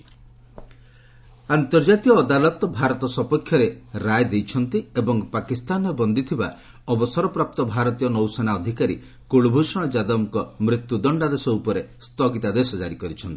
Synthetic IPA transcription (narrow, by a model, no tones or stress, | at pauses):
ant̪ɔɾd͡ʒat̪ijɔːd̪alɔt̪ɔbʱaɾɔt̪ɔsɔpɔkʰːjɔɾeɾajd̪ejt͡ʃʰɔnt̪iebɔŋpakist̪anɔbɔnd̪it̪ʰiba̰ | ɔbɔsɔɾɔpɾap̚t̪ɔbʱaɾɔt̪ijɔnɔwsɔnaɔd̪ʱikaɾi | koɭubʱusɔɽ̃ɔd͡ʒad̪ɔmkɔmɾit̪jud̪ɔɳɖad̪esɔupɔɾest̪ɔɡit̪ad̪esɔd͡ʒaɾikɔɾit͡ʃʰɔnt̪i̥